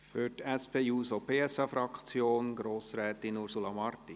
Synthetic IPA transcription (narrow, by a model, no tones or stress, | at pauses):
fyɾtɛspʰeːuːsopʰeːɛsɑfɾɑkt͡sjoːnɡ̥ɾoːsɾɛːt̪inuɾsulɑmɑrti